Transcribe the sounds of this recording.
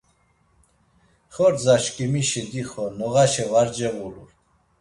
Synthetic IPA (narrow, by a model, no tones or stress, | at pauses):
χɔɾd͡zaʃkʼimiʃɛd̪iχɔnɔʁaʃɛvaɾd͡ʒɛɣuluɾ